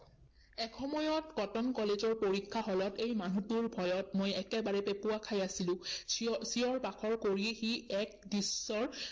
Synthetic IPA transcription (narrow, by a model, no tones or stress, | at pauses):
ɛkʰɔmɔjɔtkɔtɔnkɔlezɔɹpoɹikʰːaɦɔlɔtejmanutuɹbʱɔjɔtmojɛkɛbaɹɛpepʊakʰajasilʊ̃siɔɹpakʰɔɹkoɹixiɛk̚disːɔɹ